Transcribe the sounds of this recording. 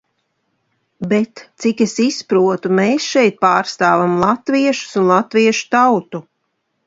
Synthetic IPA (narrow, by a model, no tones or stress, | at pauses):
bet̪t̪sikesispɾuɔt̪umeːsʃɛjt̪̚paːɾst̪aːvamlˠat̪viɛʃu̥sunlˠat̪viɛʃu̥t̪awt̪u